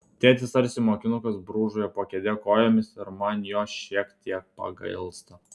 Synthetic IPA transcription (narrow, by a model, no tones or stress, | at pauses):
t̪ʲeːt̪ʲʋʲɪsɐɾʲsʲɪmoːkʲɪnʊkɐsbɾuːʒʊjɛpoːkʲɛd̪ʲeːkoːjoːmʲɪsɪɾmɐnjoːʃʲiɛkt̪ʲiɛk̚pɐ̰ɡɐɪlˠst̪ɐ